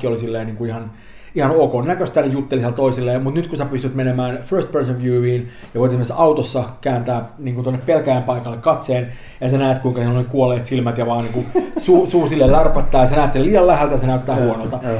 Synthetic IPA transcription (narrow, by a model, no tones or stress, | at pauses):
kːiolisilːeːniːŋkuihɑn | ihɑnokonːækøst̪ænijut̪ːelisielt̪oisilːeːmut̪nyt̪kusæpyst̪yt̪menemæːnførst̪persøʋjyːiːn | jɑʋoit̪esmensɑut̪osːɑkæːnt̪æːniːŋkunt̪onːeppelkæjæmpɑikɑlːekkɑt̪seːn | jɑsenæːt̪kuiŋkɑsilonekuolˑeːt̪silmæt̪jɑʋɑːniːŋkusuːsuːsilːellɑrpɑt̪ːɑːjɑsenæːt̪siliːjɑllæhælt̪æjɑsenæyt̪ːæːhuonolt̪ɑ